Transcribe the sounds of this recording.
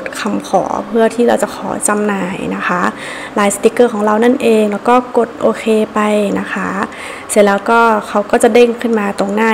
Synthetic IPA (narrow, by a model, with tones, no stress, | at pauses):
t̪̚kʰa˧mkʰɔ̰ː˩˦pʰɯ˥˩ɐt̪ʰiː˥˩ɾa˧wt͡ɕa˨˩kʰɔː˩˦t͡ɕa˧mnaː˧˩jna˦˥xʰa˦˥ʔ | laː˨˦jsa˧t̪i˦˥kːɤː˥˩kʰɔː˩˦ɾa˧wna˥˩˨nʔeː˧ŋlɛː˦˥wkɔː˥˩ko˨˩t̪̚ʔoː˧kʰeː˧pa˧jna˦˥xʰa˦˥ | se˧˩nlɛː˦˧˥wkɔː˥˩kʰa˧˥wkɔː˥˩t͡ɕa˨˩ʔde˥˩˨ŋkʰɯ˥˩nmaː˧t̪o˧ŋnaː˥˩